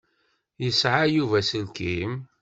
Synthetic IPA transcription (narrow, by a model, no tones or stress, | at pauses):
jəsʕajuvæsəlkim